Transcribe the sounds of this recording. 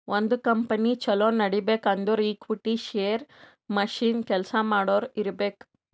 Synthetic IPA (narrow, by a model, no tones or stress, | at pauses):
ond̪ukɐmpɐnit͡ʃɐloːnɐɽibeːkɐnd̪uɾiːkʋiʈːiʃeːɾ | mɐʃiːnkɛlsɐmaːɽoːɾiɾbeːk